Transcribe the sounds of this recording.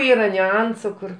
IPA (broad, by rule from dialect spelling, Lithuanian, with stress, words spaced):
ˈiːrɐ nʲʊˈɐnsʊ ˈkʊr